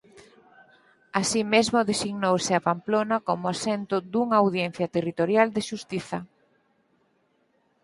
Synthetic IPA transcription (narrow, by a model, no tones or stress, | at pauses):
asimezmʊðesiɣnowsɪapamplonakomʊasent̪ʊd̪uŋawð̞jen̟θjat̪erit̪oɾjald̪eʃust̪iθɐ